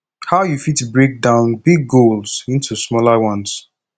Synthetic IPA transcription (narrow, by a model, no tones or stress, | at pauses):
haʊjufitubɹek̚dãʊ̃nbiɡːolˠz̥ĩntʰusmɔlawʌ̃ns